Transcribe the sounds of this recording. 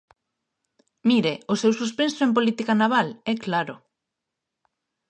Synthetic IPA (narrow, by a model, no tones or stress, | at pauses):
miɾeʊsewsuspensoemp̬olit̪ikanaβ̞alɛklaɾʊ